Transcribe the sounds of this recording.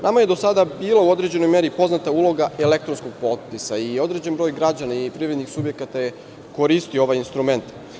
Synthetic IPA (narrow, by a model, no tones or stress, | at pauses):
namaje̞d̪o̞sad̪abiːlˠauo̞d̪ɾed͡ʑe̞no̞jmeɾipo̞znat̪aulˠo̞ɡaelek̚t̪ɾonsko̞ɡ̚po̞t̪pisaio̞d̪ɾe̞d͡ʑenbɾo̞ːjɡɾad͡ʑanaipɾivɾed̪nixsubje̞kat̪aje | ko̞ɾist̪ioo̞ʋajinst̪ɾume̞nt̪